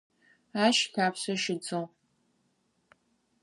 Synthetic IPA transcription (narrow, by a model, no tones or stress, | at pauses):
aːʃxʲaːpʰɕɐʃɪd͡zo